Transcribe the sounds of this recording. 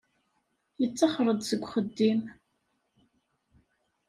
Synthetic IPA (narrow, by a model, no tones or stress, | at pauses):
jət͡sːɑχɾˤəd̪səɡʷːχəd̪ːim